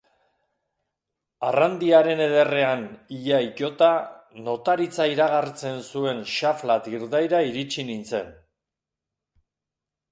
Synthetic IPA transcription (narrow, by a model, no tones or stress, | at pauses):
arand̪iaɾe̞ne̞ð̞e̞re̞aniʎaico̞t̪ano̞t̪aɾit͡saiɾaɣart͡se̞nsue̞nʃaflat̪iɾðajɾaiɾit͡ʃinint͡se̞n